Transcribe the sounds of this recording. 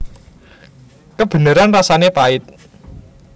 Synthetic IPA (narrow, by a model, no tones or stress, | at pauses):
kəb̥ə̤nəɾanrasanepaɪt̪̚